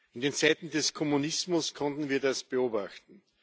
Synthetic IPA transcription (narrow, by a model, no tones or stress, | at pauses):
ʔɪndeːnt͡sæɪt̪n̩dɛskʰɔmunɪsmʊskʰɔ̃ntn̩viːɐdasb̥əoːbaxtn̩